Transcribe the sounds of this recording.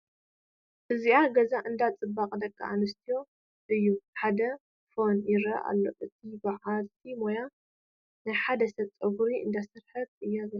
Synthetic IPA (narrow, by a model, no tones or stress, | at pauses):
ʔɨziʔaɡɐzaʔɨnd̪at͡sʼɨbːakʼd̪ɐkʰʼːa̰ʔanɨst̪ʰijo̞ | ʔɨjːuħad̪ɐ | fo̞njɪɾɐ̰ʔa̰lːo̞̰ʔɨt̪ʰibaʕalt̪ʰimoja | najħad̪ɐsɐbt͡sʼɐɡuɾiɨ̰nd̪asɨɾħɐt̪̚ɨjːazɐ